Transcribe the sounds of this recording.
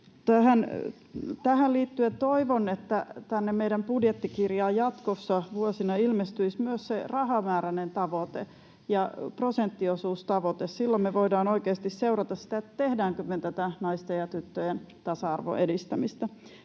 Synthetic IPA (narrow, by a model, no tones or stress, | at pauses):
t̪æhæn | t̪æhælliːt̪ːyet̪oiʋonet̪ːæt̪ænːemmeidæmpudjet̪ːikirjɑːjɑt̪kosːɑʋuosinɑilmest̪yismyøsserɑhɑmæːɾænent̪ɑʋot̪e | jɑprosent̪ːiosuːst̪ɑʋot̪essilːommeʋoidɑːnoikeːst̪isseurɑt̪ɑssi̥t̪æet̪ːæt̪ehdæːŋkøment̪æt̪ænɑist̪ejɑt̪yt̪ːøjen | t̪ɑsɑɑrʋo̰ʔedist̪æmist̪ɑ